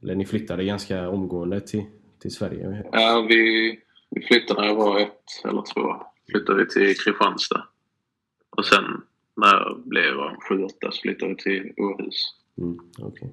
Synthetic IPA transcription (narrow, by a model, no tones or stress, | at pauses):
ɛlːənɪflʏt̪ʰːad̪əɡanskaɔmɡoːənd̪ət̪ʰɪl | t̪ʰɪlsvæɾjə̰ʔaːvɪ | vɪflʏt̪ːanavɑːɛt̪ɛ̰lːə̰ɾt̪ʰvo̰ːflʏt̪ːadvɪt̪ʰɪlkʰɾɪɧanst̪a̰ | ʔɔsɛnː | æɾblɛ̰va̰nɧʉ̟ːɔt̪ːasɔ̥flʏt̪ːaɾvɪt̪ʰɪluɾʉ̰ːs | m̩ːɔ̰kʰɛ